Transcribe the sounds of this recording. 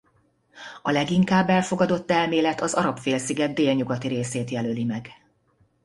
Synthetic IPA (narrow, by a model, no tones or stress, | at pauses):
ɒlɛɡiŋkaːbːɛlfo̞ɡɒd̪o̞t̪ːɛlmeːlɛt̪ɒzɒɾɒpfeːlsiɡɛd̪̚d̪ːeːlɲuɡɒt̪iɾeːseːt̪jɛlølimɛɡ